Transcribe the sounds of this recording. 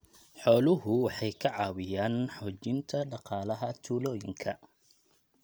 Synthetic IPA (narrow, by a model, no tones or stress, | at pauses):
ħɔːlʊɦʊwɑħɑjkʰɐʕɑːwɪjaːnħɔːt͡ʃɪnt̪ʰɐɖɑqɑːlɐɦɐt̪ʰuːlɔːjɪŋkʰɐ